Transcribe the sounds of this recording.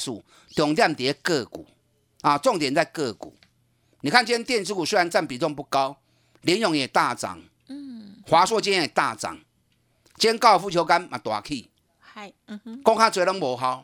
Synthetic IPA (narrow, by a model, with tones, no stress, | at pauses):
su˨˧ | t̪jɔ˨˩ŋt̪̬ja˥˧˨mt̪i˨e˦kɤ˥˧kṵ˨˩˦ | a˨t͡sɔ˥˨ŋt̪jɛ˨˦nt͡sa˥˧ɪkɤ˥˧˨kṵ˨˩ | nĩ˨kʰa˥˨nt͡ɕɛ˦nt̪jɛ˥˨nsʰɨ˦ku˨swe˧˦˥a˧nt͡sa˥˨npi˨˦t͡sɔ˥˧ŋpu˥˧ka˦ʊ | li˨˦njɔ˨˦ŋjɛ˨˩t̪a˥˨t͡sa̰˨˩ŋ | hwa˨˦swɔ˦t͡ɕi˧˦njɛ̃˦˧˨e˨˩t̪a˥˧˨t͡sa̰˨˦ŋ | t͡ɕjɛ˦nka˥˧˨fu˥˧˩t͡ɕʰjo˧˦ʊka˦nmã̰˨t̪wa̰˨˩kʰi˥˧˨ | kɔ˦ŋkʰa˦˥t͡swe˧˦lɔ˦ŋbo˨˦ɦa˦ʊ